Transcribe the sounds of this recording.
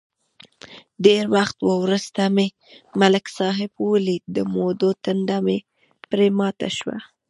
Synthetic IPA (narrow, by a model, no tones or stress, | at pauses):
ɖeɾwaxt̪wəwɾəst̪ame | malɪksɑɦɪbwəlid̪əmod̪ot̪ənɖame | pɾemɑt̪a̰ʃwa̰